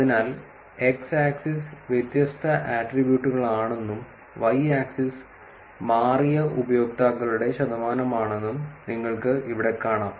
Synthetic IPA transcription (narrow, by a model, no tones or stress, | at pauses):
ɐðinaːl | e̞ksaːksisʋjet̪jɐst̪ʰɐʔaːʈribjuːʈːuɣɐɭaːɳe̞nːum | ʋɐjaːksis | maːrijɐubɐjo̞ːk̚t̪aːkːɐɭuɽe̞ɕɐd̪ɐmaːnɐmaːɳe̞nːumniŋːɐɭkɨiʋiɽe̞kːaːɳaːm